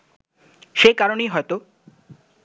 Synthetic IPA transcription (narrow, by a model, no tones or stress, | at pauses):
ʃejkaɾonejɦɔet̪o